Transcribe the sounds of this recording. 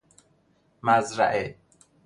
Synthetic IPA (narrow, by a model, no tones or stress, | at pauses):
mæzɾæ̰ʔe